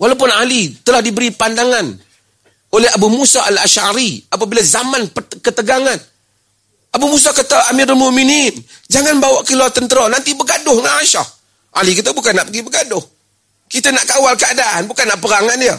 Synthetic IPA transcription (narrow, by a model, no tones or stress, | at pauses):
walap̬ʊnalit̪əlahdibəɾipandaŋan | olɛɦabumusaʔalaʃaɾiap̬abilazamanpəkət̪əɡaŋan | ʔabumus̬akat̪aʔamiɾalmʊʔminind͡ʒaŋanbawaʔkilɔt̪ənt̪əɾɔnant̪ibəɡadʊhŋaaʃa̰h | ʔa̰likit̪əbukanːaʔpəɡibəɡadʊh | kit̪ənaʔkawalkəadaʔanbukanːaʔpəɾaŋandiə